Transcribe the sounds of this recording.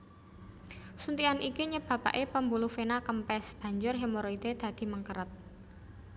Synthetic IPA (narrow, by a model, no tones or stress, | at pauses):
sunt̪ianʔikiɲəb̥ä̤pa̰ʔepəmbulufenakəmpɛsb̥a̤ɲd͡ʒʊrɦemoɾoid̪̥ed̪̥ä̤d̪̥i̤məŋkəɾət̪̚